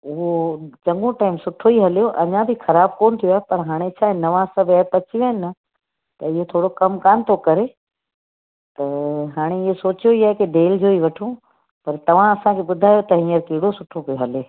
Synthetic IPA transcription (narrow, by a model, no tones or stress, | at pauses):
ʊɦot͡ɕɐ̃ŋɡõʈaːɪmsʊʈʰoiɦɐlijoʔɐɲãbʱɪxɐɾaːb̚koːnt̪ʰijoaɦepɐɾɦaːɽ̃et͡ɕʰaːɦenɐʋãːsɐbʱɛɾpɐt͡ɕiʋenɪ̆nɐ | t̪ɐɪɦot̪ʰoːɽokɐmkaːnt̪ʰokɐɾe | t̪ɐɦaːɽ̃eɪɦesoːt͡ɕjoiaːɦekeɖeːld͡ʑoːiʋɐʈʰũ | pɐɾt̪ɐʋ̤ãɐsãkʰeɓʊd̪ʱaːjot̪ɐɦĩːəɾkiːɽosʊʈʰopijoɦɐleː